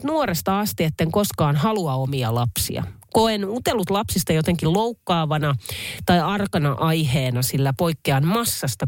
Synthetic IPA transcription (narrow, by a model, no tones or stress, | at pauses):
t̪nuoɾest̪ɑɑst̪iet̪ːeŋkoskɑːnhɑluɑomiɑ̰lɑpsḭɑ̰koenut̪elut̪lɑpsist̪ɑjot̪eŋkilloukːɑːʋɑnɑt̪ɑiɑrkɑnɑʔɑjheːnɑsilːæpoikːeɑnmɑsːɑst̪ɑ